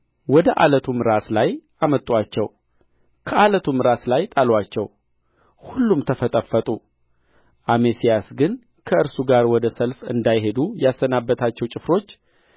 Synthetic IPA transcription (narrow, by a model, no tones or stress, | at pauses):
wɔd̪əʔalət̪ʰumɾaslajʔamət̪ʼwat͡ʃːɛw | kʰəʔalət̪ʰumɾaslajt̪ʼalwat͡ʃːɛw | hulːumt̪ʰəfət̪ʼəfːət̪ʼu | ʔamesijasɡɨn | kʰəɨɾsuɡaɾwɔd̪əsəlfɨ̰nd̪ajɦe̞d̪ujasːənabːət̪ʰat͡ʃːɛwt͡ʃʼɪfɾo̞t͡ʃː